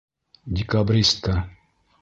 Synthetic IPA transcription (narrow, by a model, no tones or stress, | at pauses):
d̪ʲikabɾʲist̪ɐ